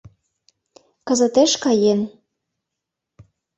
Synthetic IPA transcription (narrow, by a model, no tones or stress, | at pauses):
kə̆zə̆t̪eʃkɑjen